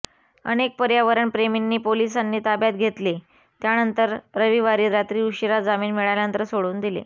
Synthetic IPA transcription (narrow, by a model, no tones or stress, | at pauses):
ə̰nek̚pəɾjaʋəɾəɳpɾeminːiːpolisanːiːt̪abjat̪̚ɡʱet̪le | t̪janənt̪əɾɾəʋiʋaɾiːɾat̪ɾiːuɕiɾad͡zamiːnmiɭajljant̪əɾsoɽuːnd̪ilḛ